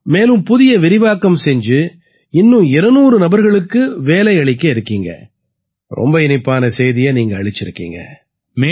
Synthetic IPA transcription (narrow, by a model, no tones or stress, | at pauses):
meːlɯ̃mpʊðɪjɐʋɪɾɪʋaːkːɐmsɛɲd͡ʒɯ | ɪnːɯ̃ɪɾɐnuːɾɯnɐbɐɾɣɐɭɯkːɯʋeːlɐɪɐɭɪkːɐɪɾɯkːiːŋɡɐ̰ | ɾɔ̰mbɐɪnɪpːaːnɐsɛjðɪjɐniːŋɡɐːɭɪt͡ʃːɪɾɯkːḭːŋɡɐ̰ | mː